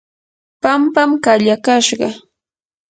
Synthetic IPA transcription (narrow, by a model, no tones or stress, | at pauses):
pampamkaʎakaʃɢɑ